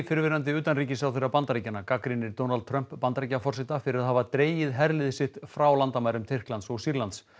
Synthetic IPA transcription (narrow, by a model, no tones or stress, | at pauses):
fɪɾvɪɾant̪̬ɪʏːt̪anriːcɪsawθɛrːapant̪aɾicanakakɾinɪɾt̪ownalt̪t̪ʰɾœm̥pːant̪aɾicːafɔr̥sɪt̪afɪɾɪɾaðɦavat̪ɾeːjɪðɦɛɾlɪðɪsɪht̪fɾawlant̪amajɾʏmt̪ʰɪr̥klant̪sɔɣsiɾlant̪s